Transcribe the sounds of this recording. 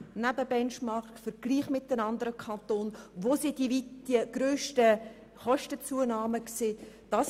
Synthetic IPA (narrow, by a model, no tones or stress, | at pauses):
næbəbɛnt͡ʃmɑɾkfəɾɡ̥liːχmɪt̪̚ːənɑnd̪əɾəkʰɑnt̪oːnʋoːsidivid̥iəɡ̥ɾøːʃtə | χɔʃtət͡suənɑːməkseːd̥ɑs